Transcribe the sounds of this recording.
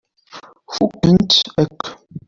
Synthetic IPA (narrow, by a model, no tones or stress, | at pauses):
fuʔintɛk